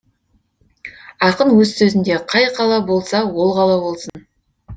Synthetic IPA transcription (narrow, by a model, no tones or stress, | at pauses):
ɑqənwɵzsɵzɪnd̪e̞qʰɑjqʰɑlˠɑbo̞lˠsɑwo̞lˠʁɑlˠɑbo̞lˠsən